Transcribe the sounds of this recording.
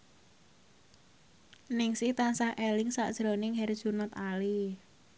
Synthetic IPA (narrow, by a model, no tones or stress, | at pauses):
nɪŋsɪht̪ansahʔɛlɪŋsa̰ʔd̥ʒ̥ɾo̤nɪŋɦɛrd̥ʒ̥unat̪ali